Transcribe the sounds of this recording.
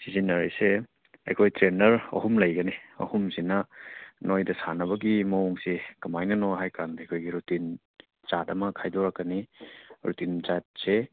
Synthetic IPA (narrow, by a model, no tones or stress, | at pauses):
sizinːɐɾise | ɐ̰jkʰojtɾenɐɾɐ̰humlɐjɡɐniɐ̰humsinɐnojdɐsanɐbɐɡimɐoŋsikɐmajnɐnoɦajkandɐejkʰojɡiɾutin | t͡ʃatɐmɐkʰajdoɾɐkːɐniɾutint͡ʃat̚se